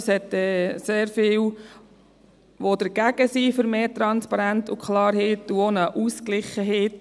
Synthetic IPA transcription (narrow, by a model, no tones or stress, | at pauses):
shɛt̪ːɛseːɾfɪːw | ʋod̪əɾɡæɡ̥əsifʏɾmeːt̪ɾɑnspɑɾænt̪ukχlɑːɾheːt̪ːuonəʔusklɪχəɦeːt